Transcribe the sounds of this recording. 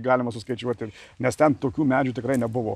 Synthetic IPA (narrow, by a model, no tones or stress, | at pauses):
ɡɑːlʲɪmɐsʊskɐɪt͡ʃʲuɔt̪ʲɪnʲɛst̪ʲɛnt̪oːkʲuːmʲæːd͡ʒʲuːt̪ʲɪkɾɐɪnʲɛbʊʋo̰ː